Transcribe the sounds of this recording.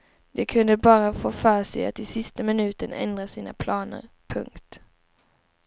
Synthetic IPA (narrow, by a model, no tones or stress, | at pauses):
d̪ɛkʰɵnd̪əbɑːɾafoːfœːʂɛja̰t̪ɪsɪst̪amɪnʉ̟ːt̪ənɛ̰nd̪ɾasiːna̰pʰlɑːnə̰ɾ | pʰɵ̰ŋkt̪